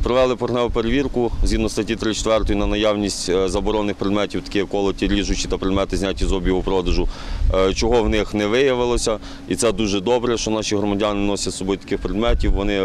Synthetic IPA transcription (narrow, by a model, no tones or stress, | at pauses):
pɾɔʋɛlˠɪpɔɾnɛʊpeɾeʋʲirkʊzʲɦʲid̪nɔst̪ɐtʲit̪ɾɪt͡ʃe̥t̪ʋɛrt̪ɔjinɐnɐjawnʲisʲtʲzɐbɔɾɔnːɪxpɾed̪mɛtʲiwt̪ɐ̥kɪjɛkɔlˠɔtʲiɾʲiʒʊt͡ʃit̪ɐpɾed̪mɛt̪ɪzʲnʲatʲːizɔbʲjiʋɔpɾɔd̪ɐʒʊt͡ʃɔɦɔwnɪxnɛʋɪjɐʋɪlˠɔsʲɐ | it̪sɛd̪uʒɛd̪ɔbɾɛʃt͡ʃɔnɑʃiɦɾɔmɐdʲanɪnɔsʲɐt̪sɔbɔjut̪ɐ̥kɪxpɾed̪mɛtʲiwʋɔnɪ